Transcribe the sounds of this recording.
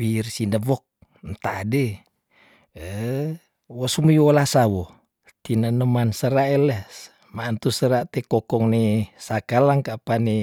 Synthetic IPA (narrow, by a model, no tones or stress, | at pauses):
wirsinəvɔk̚ | nt̪ade | ə | wɔsumujuɔlasawɔ | t̪inənəmansəɾaelɛs | mant̪usəɾaʔt̪ekɔkɔŋnesakalaŋkapani